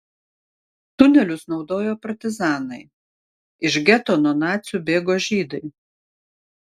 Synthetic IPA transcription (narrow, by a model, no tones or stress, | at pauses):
t̪ʊnʲɛlʲʊsnɒʊd̪oːjoːpɐɾʲt̪ʲɪzɑːnɐɪ | ɪʃɡʲɛt̪oːnɔːnɑːt̪sʲubʲeːɡoːʒʲiːd̪ɐɪ